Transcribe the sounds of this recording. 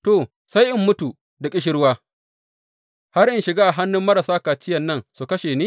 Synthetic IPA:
toː˨ | sa˦jʔɪ˦mːʊ˦tu˨ | da˨kʲʼɪ˦ʃ̬ɪ˦ɾwaː˦ | ha˦ɾʔɪ˦nʃɪ˨ɡaː˦ʔa˨ɦa˦nːʊ˦mːɐ˦ɾa˨saː˦kaː˨t͡ʃɪ˦jɐ˨nːɐ˦˨nsu˨kɐ˦ʃeː˨niː˦

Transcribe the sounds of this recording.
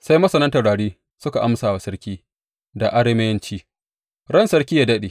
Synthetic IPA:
sa˦jmɐ˦sɐ˨nɐ˦ntɐ˨ɽaː˨ɽiː˦ | sʊ˦ka˨ʔa˦msaː˨wa˨sɐ˦ɾkʲiː˦ | da˨ʔa˦ɽe˦mɐ˦jɐ˦nt͡ʃiː˦ | ɽɐ˦nsɐ˦ɾkʲiː˦jaː˨dɐ˦ɗeː˨

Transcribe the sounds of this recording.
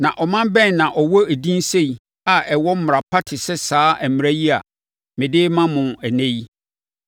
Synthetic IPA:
nã˨ʔɔ˨mã˦bɛ̃˦n˨nã˨ʔɔ˨wɔ˦e˨dĩ˦n˦se˦i˨ | a˨ʔɛ˨wɔ˦m˦m˨ɾa˨pʰa˦tʰɪ˨sɛ˦saː˨˦ʔæ˨mɪ˨ɾæ˦ji˦a̰˨ | mɪ̃˨dɪː˦mã˦mʊ̃˨æ˨nẽ˦ji˦

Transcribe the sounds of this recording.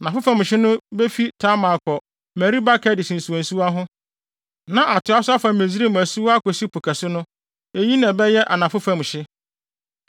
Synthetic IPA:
a˨nã˨fʊ˦fã˨m˨ɕɪ˦nʊ̃˦be˦fi˦tʰa˦mã˨kʰɔ˨ | mæ˨ɾi˦ba˦kʰɛ˦dɪ˨sĩ˨n˨su˨õ˨n̩˨su˦a˦ɦʊ̃˦ | nã˨ʔa˨tʰʊ˨˦a˦sʊ˦a˦fã˨me˨zi˦ɾe˦m˨æ˨su˦a˦kɔ˨ɕi˦pʰu˨kʰa˨sʊ˦nʊ̃˦ | e˨ji˦nã˨bɛ˦jɛ˦ʔa˨nã˨fʊ˦fã˨m˨ɕɪ˦

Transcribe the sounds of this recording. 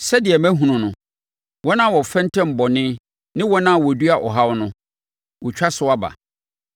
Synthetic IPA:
sɛ˦dɪ˨ɛ˨mæ̃˦ɦũ˨nʊ̃˨nʊ̃˨ | wɔ˦nã˦˨wɔ˨fɛ̃˦n˦tʰɛ̃˦m̩˨bɔ˨nɪ̃˦ | nɪ̃˦wɔ̃˦nã˦˨wɔ˨du˦a˨ʔɔ̰˨ɦa˦wnʊ̃˦ | wɔ˨t͡ɕᶣa˦sʊ˦wa˦ba̰˨

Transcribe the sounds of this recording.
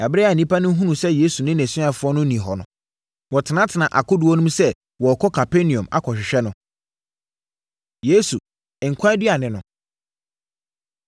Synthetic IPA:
ɛ˨bɾɛ˦a˨nĩ˦pʰa˦nʊ̃˦ɦũ˦nũ˨sɛ˦je˦su˨nɪ̃˦nɛ̃˨sɪ̃˦a˨fʊ˦ɔ˦nʊ̃˦nĩ˨ɦɔ˨nʊ̰̃˨ | wɔ˨tʰɪ˨nã˦tʰɪ˨nã˨ʔa˨kʰʊ˦dʊ˨˦ɔ˦nũ˦sɛ˦ | wɔ˨kʰɔ˦kʰa˨pʰe˦nĩ˨ɔ̃˨ma̰˦kʰɔ˨ɕᶣɪ˨ɕᶣɛ˦nʊ̃˦ | je˦su˨ | ɪ˨ŋ̩˨kʷʰa˦dɥa˨nɪ̃˨nʊ̃˨

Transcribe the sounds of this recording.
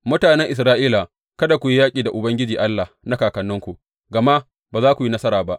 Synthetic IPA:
mʊ˦taː˨nɛ˦ŋʔɪ˨s̬ɾaː˦ʔiː˦la˨ | kɐ˦da˨kʷu˨ji˦jaː˦kʲʼiː˨da˨ʔʊ˨bɐ˦ŋɡʲɪ˦d͡ʒiː˨ʔa˦lːa˨hna˦kaː˨kɐ˨nːʊ˦ŋkʷu˨ʔ | ɡɐ˨ma˦ | baː˨zaː˦kʷu˨ji˦nɐ˦sɐ˦ɾaː˨ba˦ʔ

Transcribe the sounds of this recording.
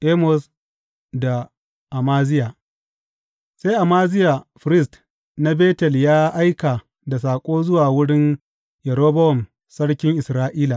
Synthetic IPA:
ʔeː˦mɔ˨s | da˨ | ʔa˨maː˦zɪ˦ja˨ | se˦jʔa˨maː˦zɪ˦ja˨ɸɪ˨ɾɪ˦s̬t | na˦beː˦tɛ˨ljaː˦ʔa˦jka˨ | da˨s̬aː˨kʷʼoː˦zʊ˦waː˨wʊ˦ɽɪ˦n | jɐ˨ɽoː˦bɐ˦wɔ˨m | sɐ˦ɽkʲɪ˦ŋʔɪ˨sɾaː˦ʔiː˦la˨

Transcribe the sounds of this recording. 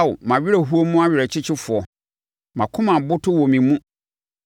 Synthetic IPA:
wʊ˨mã˨ɥɪ˦ɾæ˨ɦu˦o˦mũ˦a˦ɥɪ˨ɾɛ˨t͡ɕʰɪ˦t͡ɕʰɪ˦fʊ˨ɔ˨ | mã˨kʰʊ̃˦mã˨bʊ˦tʰʊ˦wɔ˨mĩ˨mũ˦

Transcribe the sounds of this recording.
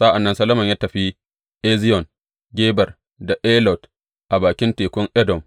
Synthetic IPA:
sa˦ʔa˨nːɐ˦nsɐ˦lɐ˦mɐ˨ɲjaː˦tɐ˨ɸi˦ | ʔɛ˦zɪ˦jɔ˨n | ɡʲeː˦bɐ˨r | da˨ʔɛː˦lɔ˨t | ʔa˨baː˨kʲɪ˦nteː˨kʷʊ˦ŋʔɛ˦dɔ˨m

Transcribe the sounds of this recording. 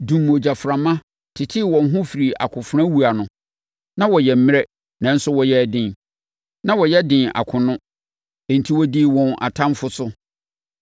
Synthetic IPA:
dũ˨mo˨d͡ʑa˨fɾã˨mã˦ | tʰɪ˨tʰɪ˦wɔ̃˨n˦ɦʊ̃˦fi˨ɾi˨ʔa̰˨kʰʊ̃˨fʊ˦ɾã˦wu˨a˨nʊ̃˨ | nã˦wɔ˨jɛ˨m̩˦mɪ̃˦ɛ˦ | nã˨˦n̩˦sʊ˦wɔ˨jɛ˦˨dɪ̃˨n | nã˦wɔ˨jɛ˦dɪ̃˨nʔa̰˨kʰʊ̃˨nʊ̃˦ | e˨n̩˨tʰi˦wɔ˦di˦wɔ̃˨nʔa̰˨tʰã˦mfʊ˦sʊ˦

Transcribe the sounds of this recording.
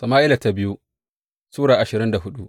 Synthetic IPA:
sɐ˨maː˦ʔɪ˦la˨ta˦bɪ˦ju˦ | suː˦ɽaː˨ʔa˨ʃɪ˨ɾɪ˦nda˨ɦʊ˦ɗu˦ʔ

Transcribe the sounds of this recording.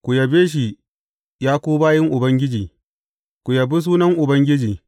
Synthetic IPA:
kʷu˨jɐ˨beː˦ʃ̬i˨ | jaː˦kʷoː˦baː˦jɐ˦ŋʔʊ˨bɐ˦ŋɡʲɪ˦d͡ʒiː˨ | kʷu˨jɐ˨bi˦s̬uː˦nɐ˦ŋʔʊ˨bɐ˦ŋɡʲɪ˦d͡ʒiː˨

